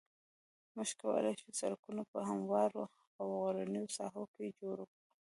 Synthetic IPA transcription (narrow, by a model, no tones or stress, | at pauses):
məʃkawə̰lajʃusalkunopəɦamwɑɾo | awɣaɾanəjosɑ̰ɦoked͡ʒoɾokɽu